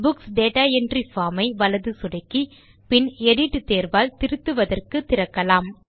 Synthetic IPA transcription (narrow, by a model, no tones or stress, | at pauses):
bʊksɖeːʈaːɛndrifaːmɐɪʋɐlɐðɯsʊɽɐɪkːi | pɪnɛɽɪʈːɯt̪eːɾʋaːlt̪ɪɾɯt̪ːɯʋɐðɐrkɯt̪ːɪɾɐkːɐlaːm